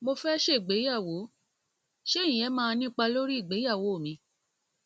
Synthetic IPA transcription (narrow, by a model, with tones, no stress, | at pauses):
mo˧fɛ˦ʃe˦˨ɡ͡be˨˦ja˦˨wo˨˦ | ʃe˦˨ĩ˨j̃ɛ˨˦mãː˧nĩ˦k͡pa˧lo˦ɾi˦i˦˨ɡ͡be˨˦ja˦˨wo˨˦o˦˨mĩ˧